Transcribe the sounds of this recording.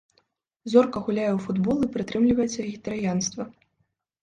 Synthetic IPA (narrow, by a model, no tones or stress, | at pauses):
zɔrkɐɣulʲajɛwfud̪bɔlˠɨpɾɨt̪ɾɨmlʲivɐjɛt̪sɐɣʲit̪ɐɾɨjanst̪vɐ